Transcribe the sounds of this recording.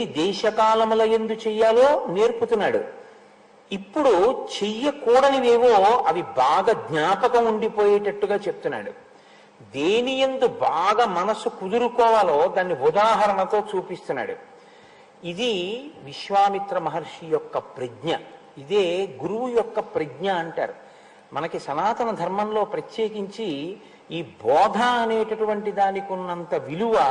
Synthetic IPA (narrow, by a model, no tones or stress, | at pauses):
iid̪ɛːʃɐkaːlɐmloːjend̪ut͡ʃɛjːaːlo̞ːne̞ːɾput̪unːaːɽṵ | ipːuɽut͡ʃejːɐkuːɽɐniʋeːʋoːɐʋibaːɡɐɡɲaːpɐkɐmuɳɖipo̞ːjɛːʈɐʈːuɡaːt͡ʃe̞p̚t̪unːa̰ːɽṵ | d̪eːnijend̪ubaːɡɐːmɐnɐsukud̪uɾukɔːʋaːloːd̪aːnːiud̪aːɦɐɾɐɳɐt̪o̞ːt͡ʃuːpist̪unːa̰ːɽṵ | id̪iʋiʃʋaːmit̪ɾɐmɐɦɐɾʂijɔkːɐpɾɐɡɲɐ | id̪eːɡuɾuʋujɔkːɐpɾɐɡɲɐːɳʈa̰ːɾu | mɐnɐkiʃɐnaːt̪ɐnɐd̪ʱɐɾmɐnlo̞ːpɾɐt̪je̞ːkiɲt͡ʃi | iːbɔːd̪ʱaɐne̞ːʈɐʈuʋɐɳʈid̪aːnikunːɐnt̪ɐʋiluʋɐ